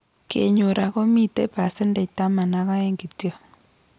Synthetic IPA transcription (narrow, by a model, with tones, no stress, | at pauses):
kḛ˨ɲo˨ɾa˨kɔ˦mi˦te˦pa˨se˦nda˨ta˦ma˨na˨˦ka˦e˦ŋɡi˨tjɔ˦